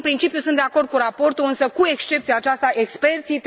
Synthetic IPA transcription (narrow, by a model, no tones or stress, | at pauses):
pɾint͡ʃipjusɨnt̪d̪eako̞rd̪̚kuɾapo̞rt̪uɨnsəkue̞kst͡ʃe̞p̚t̪siaːt͡ʃast̪aʔe̞kspe̞rt̪sit̪